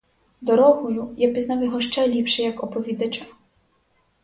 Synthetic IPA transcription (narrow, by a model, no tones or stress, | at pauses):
d̪ɔɾɔɦʊlʲujapʲiznawjɔɦɔʃt͡ʃɛlʲipʃɛjɐkɔpɔʋʲid̪ɐt͡ʃɐ